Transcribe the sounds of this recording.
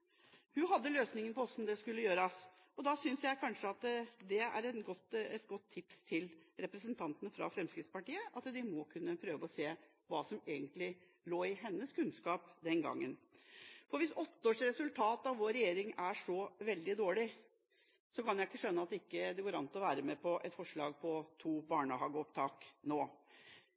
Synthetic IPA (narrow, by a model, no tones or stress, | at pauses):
hʉɦɑd̪ːəløːsnɪŋənəpʰɔɔsɔmd̪ɛskʉlːəjøːɾɑs | ɔd̪ɑsʏnsjæɪkʰɑnʂəɑt̪d̪ɛæ̰ɾɛnɡɔt̪ːɛt̪ɡɔt̪ʰːɪpst̪ʰɪlɾɛpɾəsənt̪ʰɑnt̪ənəfɾɑ̰fɾɛmskɾɪt̪spɑʈiːəʔɑt̪d̪ɪmɔkʰʉnːəpʰɾøːʋəɔseː | ʋɑːsɔmeːɡənt̪lɪ | loːɪɦɛnːəskʉnskɑːpd̪ɛnɡɑ̰ŋːənfɔɾʋɪsɔt̪ːəoːʂɾɛsʉlt̪ʰɑːt̪ɑʋʋoːɾɛjeːɾɪŋæʂɔʋɛld̪ɪd̪oːɭɪ | sɔkʰɑnjæɪɪkːəʂœnːəɑt̪d̪ɪkːəd̪ɛɡoːɾɑnt̪ɔʋæːɾəmɛpʰɔʔɛt̪fɔʂɭɑːɡpʰɔt̪ʰuːbɑːɳəhɑːɡɔpt̪ʰɑːknoː